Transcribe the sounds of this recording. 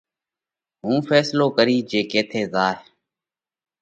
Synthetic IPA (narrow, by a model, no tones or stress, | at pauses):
ɦũːfʰɛːsloːkəɾiːd͡ʒeːkeːt̪ʰeːzaːɦe